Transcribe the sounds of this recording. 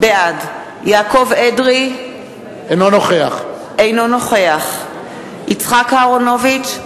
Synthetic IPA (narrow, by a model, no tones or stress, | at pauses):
bead | jaːko̞vedʁi | ejnonoχeaχ | ejno̞no̞χeaχ | it͡sχakaːʁono̞vit͡ʃ